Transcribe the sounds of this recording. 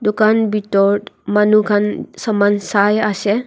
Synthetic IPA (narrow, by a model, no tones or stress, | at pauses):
dukanbitɔtmanukʰansəmansajase